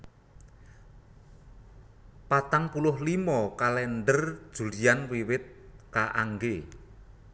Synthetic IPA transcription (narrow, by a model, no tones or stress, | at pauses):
pat̪aŋpulʊhlimɔkalɛnɖərd̥ʒ̥ṳlijanwiwɪt̪̚kaʔaŋɡe